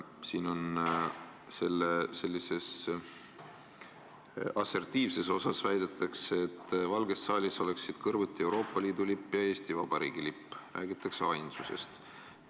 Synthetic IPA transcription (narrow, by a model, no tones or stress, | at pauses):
siːno̞n | se̞lːese̞lʲːise̞s | ɑse̞rt̪iːvse̞so̞sɑsvæjd̪̥et̪ːˑɑkseːt̪ːˑvɑlɡe̞sːɑːlʲiso̞le̞ksid̪̥kɤrvut̪ˑːie̞wɾo̞ːpˑːɑliːd̪̥ulipːˑjɑe̞ːst̪ivɑb̥ɑɾḭːɡ̥ilipːræ̰ːɡ̥it̪ːˑɑkseɑjnsuse̞̰st̪